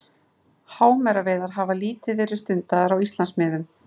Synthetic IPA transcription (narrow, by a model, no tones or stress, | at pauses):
haːwmɛɾavɛːðaɾ̥ɦavaliːt̪ɪvɛːɾɪ̥st̪ʏnt̪aðaɾawist̪lansmɛːðʏm